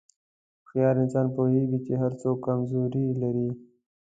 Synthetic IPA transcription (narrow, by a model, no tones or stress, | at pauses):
xijɑɾɪnsɑnpoheɡit͡ʃeɦaɾt͡sokːamzoɾilaɾi